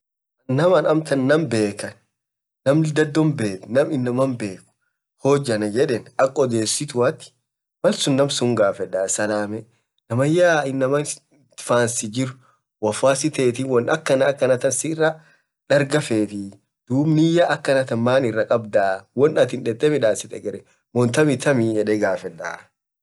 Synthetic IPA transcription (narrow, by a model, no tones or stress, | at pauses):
ɐːɐmɐnɐmt̪ɐnːɐmbe̞ːkɐnː | ɐmd̪ɐd̪ːɔmbeːt̪nɐmɪnːɐmɐmbe̞ːkʊ̥ | hoːd͡ʒːɐnɐd͡ʒɛᶑeːnɐkʼːɔd̪e̞ːsːɪt̪ʊwɐt̪ːɪ̥ | mɐlsʊnːɐmsʊŋɡaːfɛᶑasɐlaːmɛ | nɐmɐjːaːɪnːɐmɐn | faːnsɪd͡ʒɪɾʊ | wɐfaːsɪt̪eːt̪ɪwɔnɐkːɐnɐːkːɐnɐt̪ɐnsɪrːɐ | ᶑɐɾɡɐfeːt̪ɪ | d̪̥uːbnɪjaʔɐkːɐnɐt̪ɐmaːnɪrːɐkʼɐbd̪aːwɔnːɐt̪ɪnᶑɛt̪ʼːɛmɪᶑaːsɪt̪ʼɛɡɛɾɛ | mɔnt̪ɐmɪt̪ɐmijɛᶑɛɡaːfɛᶑːa̰ː